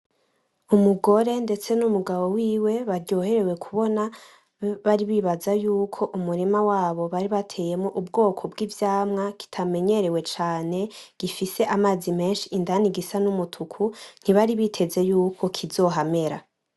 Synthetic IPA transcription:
umuɡo̞ɾe̞nde̞t͡se̞numuɡaβo̞wiːwe̞βaɾɟo̞ːhe̞ɾe̞we̞kʰuβo̞na | βaɾiβiβazajuːkʰo̞ʔumuɾimawaːβo̞βaɾiβatʰe̞ːje̞mŋoʔubɡo̞ːkʰo̞bɡiːvjaːmŋaki̥tʰame̞ɲe̞ɾe̞we̞t͡ʃaːne̞ɡ̥ifise̞ʔamaːzime̞ːnʃiːndaniɡisanumutʰukʰun̥iβaɾiβitʰe̞ze̞juːkʰo̞kʰizo̞ːɦame̞ɾa̰

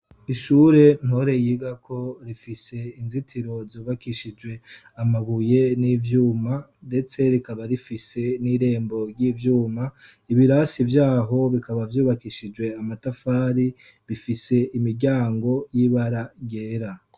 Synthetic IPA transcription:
iʃuːɾe̞n̥ho̞ɾe̞jiɡakʰo̞ɾifise̞inzitʰiɾo̞zuːβakiʃid͡ʒwe̞ | amaβuje̞niːvjuːmande̞t͡se̞ɾikaβaɾifise̞niɾe̞ːmbo̞ɾɟiːvjuːma | iβiɾasivjaːɦo̞βikaβavjuːβakiʃid͡ʒwe̞amatafaːɾi | βifise̞imiɾɟaːŋɡo̞jiβaɾaɟe̞ːɾa

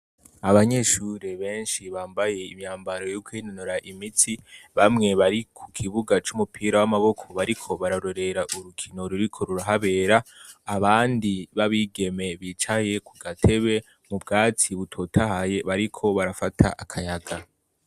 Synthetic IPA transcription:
aβaɲe̞ʃuɾe̞βe̞ːnʃiβaːmbaje̞imɲaːmbaɾo̞jokwiːnonuɾaʔimitʰiβamŋe̞βaɾikʰukʰiβuɡat͡ʃumupʰiːɾawamaβo̞kʰo̞βaɾikʰo̞βaɾaɾo̞ɾe̞ɾaʔuɾukʰino̞ɾuɾikʰo̞ɾuɾaɦaβe̞ːɾaːβaːndiβaβiɡe̞me̞βit͡ʃaje̞kuɡatʰe̞βe̞ | mubɡaːtiβutʰo̞tʰaɦaje̞βaɾikʰo̞βaɾafatʰa̰ʔakʰajaɡa

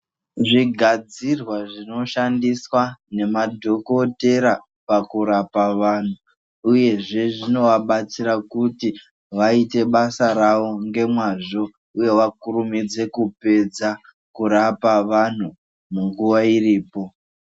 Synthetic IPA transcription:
ʐiɡʱad͡zirwaʐino̞ʃandiswane̞madʱo̞ko̞te̞ɾa | pakuɾapaʋan̤u | uje̞ʐe̞ʐino̞ʋaɓat͡siɾakuti | ʋaite̞ɓasaɾaʋo̞ŋɡe̞mwaːʐo̞ | uje̞ʋakurumid͡ze̞kupe̞d͡za | kuɾapaʋan̤u | muŋɡuʋairiːpo̞

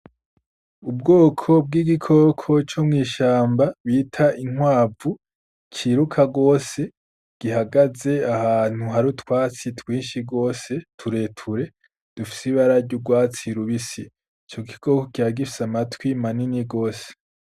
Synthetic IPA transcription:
ubɡoːkʰo̞b̚ɡiːɡikʰo̞kʰo̞t͡ʃomŋiːʃaːmbaβiːtʰaʔiŋwaːvu | t͡ʃiːɾukʰaɡo̞ːse̞ | ɡ̥iɦaɡaze̞ahaːn̥huɦaɾutwaːt͡sitwiːnʃiɡo̞ːse̞tʰuɾe̞ːtʰuɾe̞ | d̥ufi̥siβaɾaɾɟuɡwaːt͡siɾuβisi | t͡ʃo̞ɡikʰo̞ːkokiɾaɡifi̥samatwimaniniɡo̞ːse̥

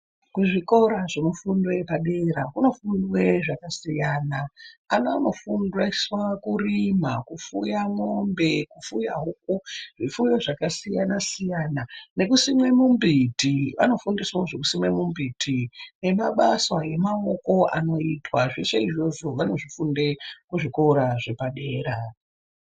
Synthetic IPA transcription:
kuʐiko̞ɾaʐino̞fundwepaɗeɾakuno̞fundwe̞ʐakasijanaanaano̞fundweswakurimakufujamombe̞kufuja̰ɦuk̚uʐifujoʐakasijanasijaːnane̞kusimwe̞mumbʱitiʋa̰no̞fundiswaoʐe̞kusimwe̞mumbitʰine̞maɓaswaje̞mao̞ko̞ʔa̰no̞itwaʐiʃeiʐo̞ʐo̞ʋano̞ʐifundekuʐikoɾaʐe̞paɗe̞ːra

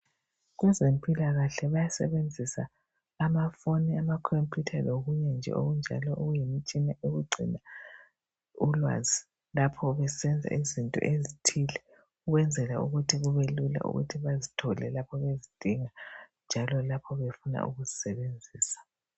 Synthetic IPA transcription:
ɣwɛzempʼilaɣaɬɛβajasɛ̰βend͡zʱisaː | mafoniamakʰompʰʼjutʰaloɣuɲɛnd͡ʒʱɛ̰ʔo̰ɣund͡ʒʱa̰lɔʔuɣujimit͡ʃʼinaʔeɣuɡ͡ǀʱḭna | ulwa̰zi | lapʰɔβɛsɛnd͡zʱa̰izintʼɔ̰ʔezitʰilɛ | uɣwɛnd͡zʱɛlauɣutʰiɣuβelula̰ʔṵɣṵtʰiβazitʰɔlɛ̰lapʰɔβezid̥ʱiŋand͡ʒʱalɔlapʰɔβefuna̰ʔṵɣuzisɛβend͡zʱiːsḁ

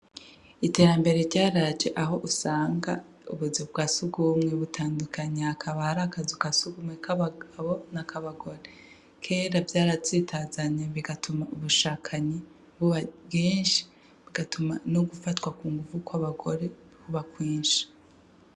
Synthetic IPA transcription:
ite̞ɾambe̞ɾeɾɟaːɾad͡ʒe̞ʔaɦo̞ʔusaːŋɡa | ṵβuzibɡasuɡumŋeβutʰaːndukʰaɲeakʰaβahɾakazukasuɡumŋekaaaβonakʰaβaɡo̞ɾe | kʰe̞ːɾavjaːɾazitʰaːzaɲeβiɡatʰumauβuʃaːkʰaɲe | βuβaɡiːnʃi̥ | βiɡ̥atʰumanoɡufatkwakuːŋɡuvukwaβaɡo̞ɾe̞ | βuβakwiːnʃḁ

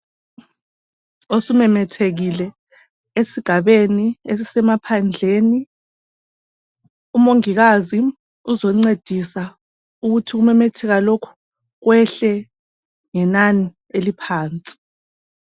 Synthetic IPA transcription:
osumɛmɛtʰeɣ̬ilɛ | esiɡ̥ʱaɓenies̬isɛmapʰand͡ɮʱeːni | umoŋik̬azi | uzoŋ͡ǀed̥ʱisa | uk̬utʰik̬umɛmɛtʰɛɣ̬alokʰu̥ | k̬wɛɬɛ | ŋɛnani | elipʰaːnt͡sʼi̥

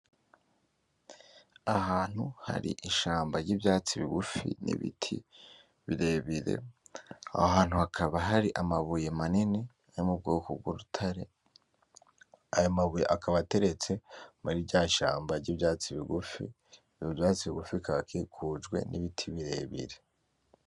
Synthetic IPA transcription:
ahaːn̥huha̰ɾḭʔiʃaːmbaɾɟiːbjaːt͡siβiɡufḭnḭβḭtʰi | βiɾe̞βiɾe̞̰ | a̰ɦaːn̥huhakʰaβaɦaɾiʔamaβujemanine | aɾimub̚ɡoːkob̚ɡwuɾutʰaɾe̞ | ajomaβujḛʔakaβate̞ɾe̞t͡se̞muɾiɟaːʃaːmbaɾɟiːbjaːt͡siβiɡufḭ | joβjaːt͡siβiɡufikaβakekʰud͡ʒɡwe̞̰niβitʰiβiɾe̞βḭɾe̞

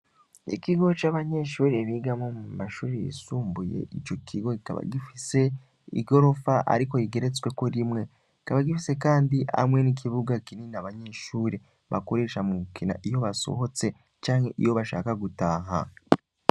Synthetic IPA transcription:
ikiɡo̞t͡ʃaβaɲe̞ʃuːɾeβiɡamomumaʃuːɾijḭsuːmbuje̞̰ʔit͡ʃo̞kʰiɡo̞ika̰βa̰ɡifise̞ | ḭɡo̞ɾo̞faʔa̰ɾiko̞jiɡe̞ɾet͡swe̞ko̞ɾimŋe̞ | ikaβaɡifise̞kaːndia̰mŋe̞nikʰiβuɡakininaβaɲeʃuːɾe | βa̰ko̞ɾe̞ːʃamuukʰina̰ʔijo̞βaso̰ho̞t͡se̞ | t͡ʃaːŋhe̞ʔijo̞βaʃa̰ːkaɡutaːɦa̰

